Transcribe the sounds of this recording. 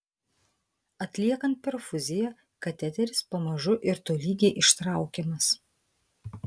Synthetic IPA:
ɐt̪ʲlʲiɛkɐnt̪̚pʲɛɾfʊzʲɪjɛ | kɐt̪ʲɛt̪ʲɛɾʲɪspɐmɐʒʊʔɪɾt̪oːlʲiːɡʲeːʔɪʃt̪ɾɑˑʊkʲemɐs

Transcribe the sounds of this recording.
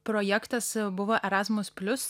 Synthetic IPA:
pɾɔjɛkt̪ɐsbʊʋoːʔɛɾɑːzmʊspʲlʲʊs

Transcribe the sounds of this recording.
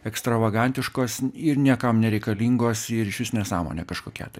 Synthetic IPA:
ɛkst̪ɾɐʋɐɡɐnʲt̪ʲɪʃkoːsɪɾnʲiɛkɐmnʲɛɾʲɛɪkɐlʲiːŋɡoːsɪɾɪʃʲʋʲɪsʲnʲeːsɑːmo̰ːnʲḛːkɐʃkoːkʲɛ̰t̪ɐɪ

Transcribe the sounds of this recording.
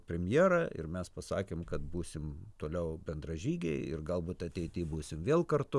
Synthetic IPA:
pʲɾʲɛmʲjeːɾɐɪ̰ɾmʲɛspɐsɑːkʲeːmkɐt̪̚buːsʲɪmt̪oːlʲɛʊbʲɛnd̪rɐʒʲiːɡʲɛɪɪ̰rɡɐlˠbuːt̪ɐt̪ʲɛɪt̪ʲɪbuːsʲɪmʋʲeːlˠkɐrt̪ʊ

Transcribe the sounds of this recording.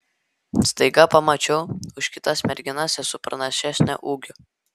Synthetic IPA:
st̪ɐɪɡɐpɐmɐt͡ʃʲɛʊʊʃkʲɪt̪ɐsmʲɛɾʲɡʲɪnɑsʲɛsʊpɾɐnɐʃʲæsʲnʲɛ̰ʔuːɡʲʊ

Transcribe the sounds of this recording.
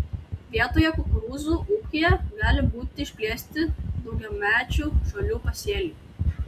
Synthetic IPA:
ʋʲiɛt̪oːjɛkʊkɾuːzuːʔuːkʲɪjɛɡɑːlʲɪbuːt̪ʲɪʃʲpʲlʲiɛsʲt̪ʲɪd̪ɒʊɡʲɛmʲæːt͡ʃʲuʒɐlʲuːpɐsʲeːlʲuːˑ

